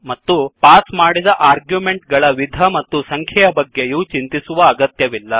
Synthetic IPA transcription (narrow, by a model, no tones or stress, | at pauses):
mɐt̪ːupaːsmaːɽid̪ɐʔaːɾɡjumeɳʈɡɐɭɐʋid̪ʱɐmɐt̪ːusɐŋkʰɐjɐbɐɡːejut͡ʃint̪isuʋɐːɡɐt̪jɐʋilːɐ